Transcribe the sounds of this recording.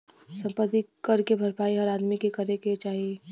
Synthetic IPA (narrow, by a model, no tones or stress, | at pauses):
sə̃mpət̪ikəɾkebʱəɾpaːiɦɐɾaːd̪mikekəɾeket͡ʃaːɦi